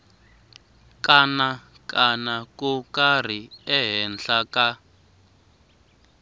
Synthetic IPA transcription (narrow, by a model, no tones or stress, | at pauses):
kana | kanakukar̤iɛɦɛnɬaka